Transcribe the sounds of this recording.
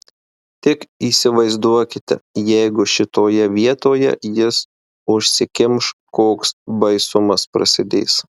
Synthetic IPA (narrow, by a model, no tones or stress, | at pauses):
t̪ʲɪkiːsʲɪʋɐɪzd̪uɔkʲɪt̪ʲɛ̰jɛɪɡʊʃʲɪt̪oːjɛʋʲiɛt̪oːjɛ̰jɪs | ʊʃʲsʲɪkʲɪmʃkoːksbɐɪsʊmɐspɾɐsʲɪd̪ʲḛːs